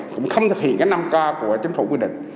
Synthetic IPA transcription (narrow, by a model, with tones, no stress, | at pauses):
kʊ̰˧˥ŋ͡mxə˧wŋ͡mt̪ʰɨ˨˩k̚hḭ˧˨ənkaː˨˦jna˧mkaː˧ku˧˩ət͡ɕi˨˦əŋ̟fu˧˩kwi˧ɗḭ̈˧˨ŋ̟